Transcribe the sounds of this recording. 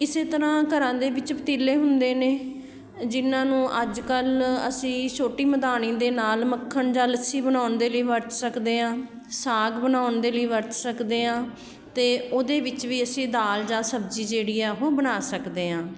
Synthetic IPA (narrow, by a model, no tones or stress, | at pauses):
ɪseːt̪əɾãːkəɾãːd̪eːʋɪt͡ʃpət̪iːlːeːɦʊnd̪eːneː | d͡ʒɪnãːnũːʔəd͡ʒkələ̰sĩːsoːʈiːməd̪aːnĩːd̪eːnaːlməkʰːəɳd͡ʒãːləsiːbənaːʊnd̪eːləiːʋəɾt̪səkd̪eːãː | saːɡbənaːʊnd̪eːləiːʋəɾt̪səkd̪eːãː | t̪eːoːd̪eːʋɪt͡ʃʋiːəsĩːd̪aːld͡ʒãːsəbd͡ʒiːd͡ʒeːɽiːɛːɦoːbənaːsəkd̪eːãː